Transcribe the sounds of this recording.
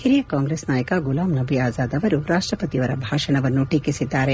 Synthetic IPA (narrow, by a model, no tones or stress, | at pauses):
hiɾijɐkaːŋɡɾeːsnaːjɐkaɡulaːmnɐbʱiaːzaːd̪ɐʋɐɾuɾaːʂʈɾɐpɐt̪iɐʋɐɾɐbʱaːʂɐɳɐʋɐnːuʈiːkisid̪ːaːɾe